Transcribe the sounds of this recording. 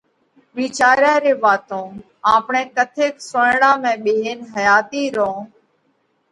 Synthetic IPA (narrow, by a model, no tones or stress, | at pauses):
ʋiːt͡ʃaːɾjãːɾeːʋaːt̪õː | ãːpɳẽːkət̪ʰeːksʊɳɽãːmɛ̃ːɓeːɦeːnɦəjaːt̪iːɾõː